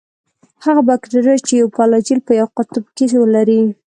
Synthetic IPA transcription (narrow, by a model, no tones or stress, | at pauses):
haɣabakʈaɾojt͡ʃejawpɑlɑd͡ʒilpəjawqʊt̪ʊb̚keswəlaɾi